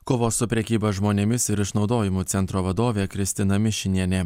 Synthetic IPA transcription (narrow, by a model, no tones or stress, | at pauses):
kʊʋoːsʊpʲɾʲɛkʲiːbɐʒmoːnʲɛmʲɪsɪɾɪʃnɒʊd̪oːjɪmuːt̪sʲɛnt̪ɾoːʋɐd̪oːʋʲeːkɾʲɪsʲt̪ʲɪnɐmʲɪʃʲɪnʲiɛnʲɛ